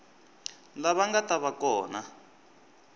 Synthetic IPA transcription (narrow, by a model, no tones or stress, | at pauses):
laβaŋɡataβakɔːna